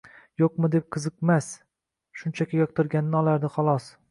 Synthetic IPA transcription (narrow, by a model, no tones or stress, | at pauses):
joq̚mɨd̪ep̚qʰɨzɨqmas | ʃʊnt͡ʃʰakʲʰɪjɒqt̪ʰɪɾɡʲanɪnɪɒlˠaɾd̪ɪχɒlˠɒs